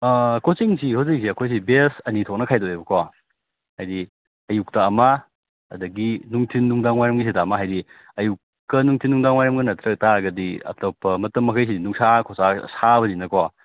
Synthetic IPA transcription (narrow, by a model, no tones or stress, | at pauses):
kosiŋsihawziks̬iɐkʰojs̬ibesɐnitʰok̚nɐkʰajdoebɐkʰowa | hajdi | ɐjuk̚taːma | ɐdɐɡinuŋtʰinːuŋdaŋwajɾɐmɡis̬itamaɦajdi | ɐjukːɐnuŋtʰinːuŋdaŋwajɐmɡɐnɐtɾɐk̚taɡɐdiɐ̰topʰɐmɐtɐmːɐkʰɐjs̬idinuŋsakʰosasaβɐninɐkʰowa